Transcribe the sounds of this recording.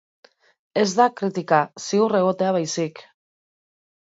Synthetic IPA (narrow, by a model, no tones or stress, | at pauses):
e̞zd̪akɾit̪ikasiure̞ɣ̞o̞t̪e̞aβ̞ajsik